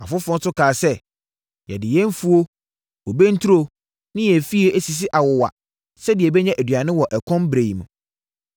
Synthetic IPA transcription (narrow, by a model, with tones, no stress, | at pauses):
a˨fʊ˦fɔ̃˦nsʊ˦kʰaː˨sɛ˦ | jɛ̰˨dɪ˨jɛ˦n˦fu˦o˦ | wɔ˨be˦n̩˦tʰu˦ɾo˦ | nɪ̃˦jɛ˨fi˦e˨ʔæ˦˨si˨s̬ɪ˦ʔa˨wɔ˨wa̰˨ | sɛ˦dɪ˨ɛ˨bɛ˦ɲã˦ʔæ˨dɥa˨nɪ̃˦wɔ˨ʔɛ˨kʰɔ̃˦mbɾe˨i˨mũ˨